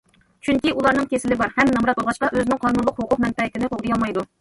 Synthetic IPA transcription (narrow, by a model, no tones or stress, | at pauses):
t͡ʃʰyŋkʲiʔulˠɑɾnɨŋkʲʰesɪlɪbɑɾhɛmnɑmɾɑt̪̚bolˠʁɑʃqɑʔøzɪnɪŋqʰɑnunlˠəqhoqʰʊq̚mɛnpɛɪt̪ɪnɪqoʁd̪ɨjɑlˠmɑjd̪u